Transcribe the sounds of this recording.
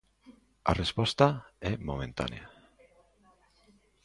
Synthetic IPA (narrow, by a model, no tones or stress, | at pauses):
a̰respɔst̪aɛmomẽnt̪a̰nea